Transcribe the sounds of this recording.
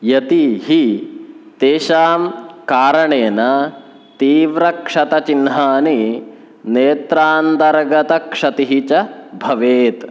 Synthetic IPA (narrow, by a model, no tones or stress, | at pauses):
jɐt̪iɦi | t̪eːʃaːmkaːɾɐɳeːnɐ | t̪iːʋɾɐkʂɐt̪ɐt͡ʃinɦaːni | neːt̪ɾaːnt̪ɐɾɡɐt̪ɐkʂɐt̪iɦit͡ʃɐbʱɐʋeːt̪